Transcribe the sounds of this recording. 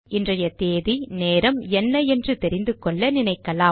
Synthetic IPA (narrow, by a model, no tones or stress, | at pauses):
ʔɪndrɐjɐt̪eːðineːɾɐmɛnːɐɛndrɯt̪ɛɾɪnd̪ɯkɔɭːɐnɪnɐɪkːɐlaː